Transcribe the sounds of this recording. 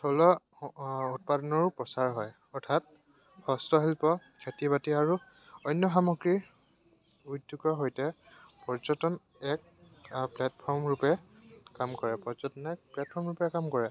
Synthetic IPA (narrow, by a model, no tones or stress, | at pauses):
tʰɔlɔ | ut̚padɔnɔɹpɹɔsaɹɦɔj | ɔɹtʰat̚ | hɔstɔɦilpɔkʰetibatiaɹu | ɔjnjɔxamɔɡɹiɹ | udːukɔɦojtɛ | pɔɹzɔtɔn | ɛk̚ | plɛtpʰɔɹmɹupɛkamkɔɹɛpɔɹzɔtɔnɛk̚plɛt̚pʰɔɹmɹupɛkamkɔɹɛ